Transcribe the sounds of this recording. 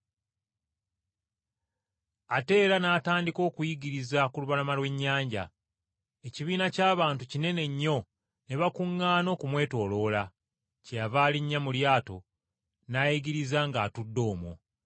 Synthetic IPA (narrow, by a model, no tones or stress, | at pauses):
ate̞ːɾanaːtaːndiko̞ːkujiɡiɾizakuluβalamalwe̞ɲːaːɲɟa̰ | eciβiːnacaːβaːntucine̞ne̞ɲːo̞ | ne̞βakuŋːaːno̞ːkumwe̞ːto̞ːlo̞ːla | cejavaːliɲːamuljaːto̞̰ | najiɡiɾizaŋɡaːtudːo̞ːmo̰